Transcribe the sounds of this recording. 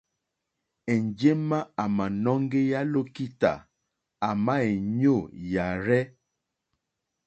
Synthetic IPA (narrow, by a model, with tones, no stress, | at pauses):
ɛ˨nd͡ʒe˦ma˦a˨ma˨nɔ˦ŋɡe˦ja˦lo˦ki˦ta̰˨ | a˨ma˦e˨ɲo˦˨ja˨ɾɛ˦